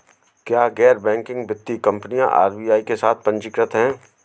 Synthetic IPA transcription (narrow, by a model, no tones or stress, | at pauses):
kjaːɡɛːɾbɛ̃ːŋkɪ̃ŋɡbɪt̪ːikɐ̃mpnijã̰ʔa̰ːɾbiːaːikesaːt̪̚ʰpɐ̃ɲt͡ʃɪkɾət̪ɦɛ̃ː